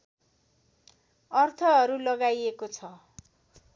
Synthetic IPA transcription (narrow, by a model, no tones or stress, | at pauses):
ʌrt̪ʰʌɦʌɾulʌɡajekot͡sʰʌ